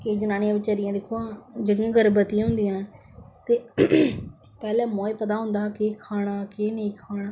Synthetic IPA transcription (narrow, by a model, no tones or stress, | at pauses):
keːd͡ʒənaːneãːʋɪt͡ʃəɾɪjãːd̪eːkʰoãːd͡ʒeɽɪjãːɡəɾbət̪iãːɦʊ̃nd̪ijãː | t̪eː | pɛːlɛ̃ːmoːipət̪̬aːɦʊ̃nd̪aːkeːkʰaːɽ̃aːkeːneikʰaːɽaː